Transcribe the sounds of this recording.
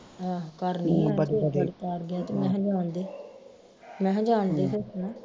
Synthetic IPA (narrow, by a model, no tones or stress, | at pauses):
aːkəɾnĩːeɾt̪aːɾɡɪjaːt̪eːmɛ̃ːd͡ʒaːnd̪eː | mɛ̃ːd͡ʒaːnd̪eːsesnaː